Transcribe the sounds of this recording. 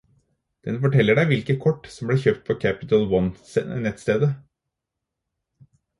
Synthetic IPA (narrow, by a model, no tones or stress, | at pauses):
d̪̥ɛnfɔʈʰɛlːəɖæɪʋɪlkəkʰɔʈːsɔmbleːçøːpt̪̚pʰɔkʰæpɪt̪əlwɔnsɛnɛt̪st̪eːd̪ə